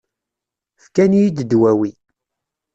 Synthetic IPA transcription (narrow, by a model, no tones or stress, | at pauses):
fkænjid̪əd̪wæwi